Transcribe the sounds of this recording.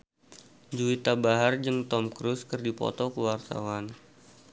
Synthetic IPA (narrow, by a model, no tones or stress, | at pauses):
d͡ʒuit̪abaɦard͡ʒɨŋt̪ɔmkɾuskərdipɔ̰t̪ɔkəwart̪a̰wan